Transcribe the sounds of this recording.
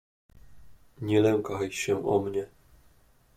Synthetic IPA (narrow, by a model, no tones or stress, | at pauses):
ɲɛlɛŋkajɕɛʔɔ̰mɲɛ